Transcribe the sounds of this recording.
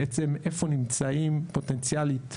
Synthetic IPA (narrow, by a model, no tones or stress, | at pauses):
et͡semefonimt͡saimpot̪ent͡sjalit̪